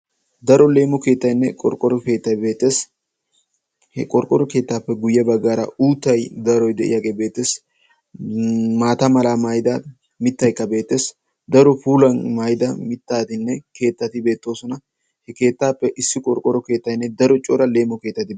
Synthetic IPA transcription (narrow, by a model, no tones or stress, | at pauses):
d̪ɐɾɔle̞ːmɔke̞ːt̪ːɐjnːɛkʼɔ̰ɾkʼɔɾɔke̞ːt̪ːɐjbe̞ːt̪ːe̞ːs | hɛ̰kʼɔɾkʼɔɾɔke̞ːt̪ːaːpːɛɡʊjːɛbɐɡaːɾɐ̰uːt̪ːɐjd̪ɐɾɔjd̪ɛʔɪ̰jaɡebe̞ːt̪ːeːs | maːt̪ɐmɐlaːmajd̪ɐ | mɪt̪ːɐjkːɐbe̞ːt̪ːe̞ːs | d̪ɐɾɔfuːlɐnmajd̪ɐmɪt̪ːaːt̪ɪnːɛke̞ːt̪ːɐt̪ɪbe̞ːt̪ːo̞ːsɔnɐ | hɛke̞ːt̪ːaːpːɛʔɪsːɪkʼɔɾkʼɔɾɔke̞ːt̪ːɐjnːɛd̪ɐɾɔt͡ʃʼɔːɾɐle̞ːmːɔke̞ːt̪ːɐt̪ɪ